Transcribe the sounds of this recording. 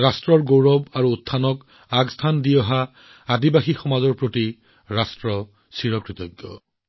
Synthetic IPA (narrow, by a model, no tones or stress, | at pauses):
astɹɔɹɡowɹɔbaɹuːtʰːanɔk | aɡstʰandiɔɦa | adibaxixɔmazɔɹpɹoti | ɹastɹɔ | siɹɔkɹit̪ɔɡːɔ̰